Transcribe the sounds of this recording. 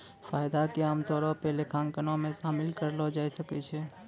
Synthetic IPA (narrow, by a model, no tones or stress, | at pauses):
faːjd̪akeaːmt̪ɔːɾɔpelekʰãːŋkənɔ̃mẽʃaːmɪlkəɾlɔd͡ʒaːisəkɛt͡ʃʰɛː